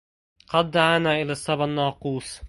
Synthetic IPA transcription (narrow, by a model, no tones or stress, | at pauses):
qɑd̪ːaʕaːnaːʔɪlaːsˤːɑbnːɑːquːsˤ